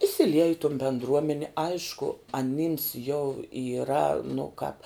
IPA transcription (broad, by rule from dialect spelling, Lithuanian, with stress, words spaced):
iːsʲɪˈlʲiɛj ɪ toːn bʲɛndˈruɔmʲɛnʲɪ ˈɐɪʃkʊ ɐˈnʲɪms jɛʊ iːˈrɐ nʊ kɑːp